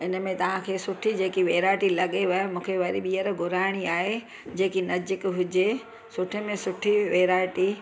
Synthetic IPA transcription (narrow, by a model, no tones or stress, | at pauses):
ɪnə̆mẽt̪ɐʋ̤ãkʰeːsʊʈʰid͡ʑeːkiʋeːɾaːɪʈilɐɠeʋɐjmũːkʰeʋɐɾiɓiːəɾɡʱʊɾaːɪɽ̃iaːɦe | d͡ʑeːkinɐd͡ʑɪkɦʊd͡ʑe | sʊʈʰemẽsʊʈʰiʋeːɾaːɪʈi